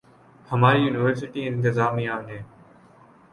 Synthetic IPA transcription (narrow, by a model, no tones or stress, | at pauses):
həmaːɾiːjuːnɪʋəɾsɪʈiːɪ̃nt̪ɪzaːmiːaːnɦẽː